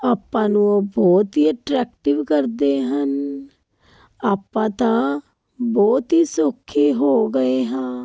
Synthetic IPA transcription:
aːpːãːnũobɔːt̪ɦiəʈɾɛːk̚ʈɪʋkəɾd̪eɦən | aːpːãːt̪a | bɔːt̪ɦisokʰːeɦoːɡəeɦɛ̃ː

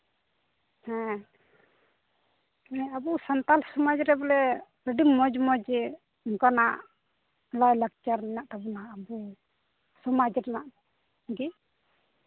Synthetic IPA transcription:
hɛ̃ | nɛabusant̪alsɔmad͡ʒɾɛblɛ | ɾəɖiŋmɔd͡ʒmɔd͡ʒ | ɔŋkanaʔ | lajlak̚t͡ʃaɾnɛnaʔt̪abɔnaːbu | sɔmad͡ʒɾɛnaʔ | ɡi

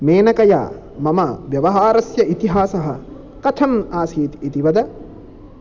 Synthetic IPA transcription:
meːnɐkɐja̰ː | mɐmɐʋjɐʋɐɦaːɾɐsjɐʔit̪iɦaːsɐɦɐ | kɐt̪ʰɐmaːsiːt̪it̪iʋɐd̪ɐ

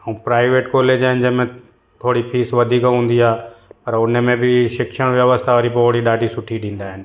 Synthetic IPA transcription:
ũːpɾaːɪʋeːʈkoːleːd͡ʑaːɦɪnd͡ʑɐmẽ | t̪ʰoːɽipʰiːsʋɐd̪ʱiːkɦũːnd̪iaːpɐɾʊnmẽbɪʃɪkʃəɽ̃ʋjɐʋəst̪ʰaʋəːɾipoːɽiɗaːɖʱisʊʈʰiɗĩːn̆d̪aːɦɪnɪ̆

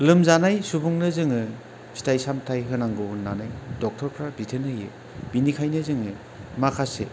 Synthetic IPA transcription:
lɯmzanajsubuŋnɯzɯŋɯ | si̥tʰajsamtʰajɦɯnaŋɡɯɦunːanajdɔk̚tʰɔɾpʰɾabitʰɯnɯjɯ̰ | b̥inikʰajnɯzɯŋɯ | makʰasḛ

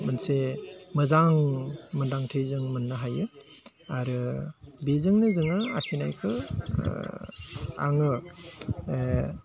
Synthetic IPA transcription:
mɯnsemɯzaŋməndaŋtʰɯjzɯŋmɯnːɯɦajɯ | aɾɯbezɯŋnɯzɯŋɯa̰kʰinajkʰɯ | a̰ŋɯ

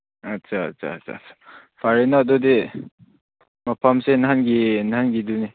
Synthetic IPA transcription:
ɐtsʰaɐ̰tsʰa̰sa̰sḁ | pʰaɾenaːdodi | mapʰamsenanɡinanɡiduni

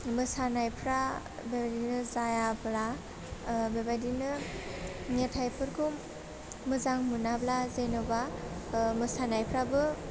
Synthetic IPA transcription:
mɯsanajpʰɾa | bebadinɯzajabla | bebadinɯ | ŋetʰajpʰɯɾkʰumː | ɯzaŋmunablazejnɔba | mɯsanajpʰɾabɯ

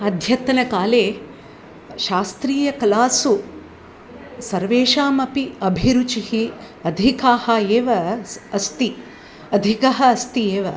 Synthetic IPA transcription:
ɐd̪ʱjɐt̪ɐnɐkaːleː | ʃaːst̪ɾiːjɐkɐlaːsu | sɐɾʋeːʃaːmɐpiɐbʱiɾut͡ʃihi | ɐd̪ʱikaːhɐeːʋɐɐst̪i | ɐd̪ʱikɐɦɐɐst̪ieːʋɐ

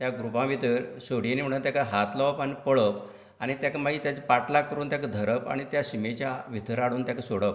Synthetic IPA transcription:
t̪jaɡɾupãʋit̪əɾsoɽ̤inim̤əɽunt̪jakaɦat̪laʋpanipəɭəp | aɽ̃it̪jakamaɡit̪jat͡ɕapaʈlakəɾuːnt̪jakəd̪ʱəɾəpa̰ɽ̃it̪jaɕimet͡ɕjaʋit̪əɾaɽuːnt̪jakasoɽəp

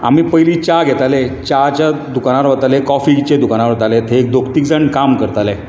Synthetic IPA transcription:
a̰miːpəjlit͡ɕaɡʱɛt̪alɛt͡ɕat͡ɕad̪ukañaɾʋət̪alekɔfit͡ɕed̪ukañaɾʋat̪alɛ̃t̪ʰeːkd̪okʰt̪ikd͡zəɳkamkəɾt̪alɛ

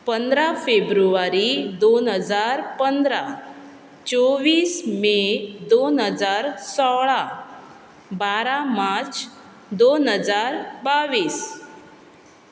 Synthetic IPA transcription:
pənd̪ɾafebɾuʋaɾid̪onɦəd͡zaɾpənd̪ɾa | t͡soʋiːsmed̪onɦəd͡zaɾsɔɭa | baɾamat͡s | d̪onɦəd͡zaɾbaʋiːs

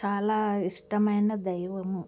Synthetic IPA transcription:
t͡ʃaːlaːiʂʈɐmɐjnɐd̪ɐjʋɐmu

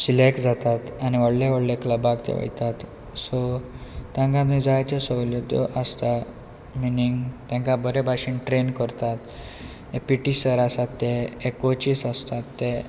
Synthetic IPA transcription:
silekd͡zat̪at̪aniʋəɽleʋəɽlekləbakt̪ḛʋə̰jt̪at̪ | sot̪jãŋkãt̪ĩd͡zajt͡ɕ̪esəʋljɔt̪ɔ̰ʔəst̪a | miniŋɡt̪jãŋkabəɾebʱaɕiːnʈɾenkəɾt̪at̪ | epiʈisəɾasat̪ːeːkot͡ɕiːsast̪at̪ːe

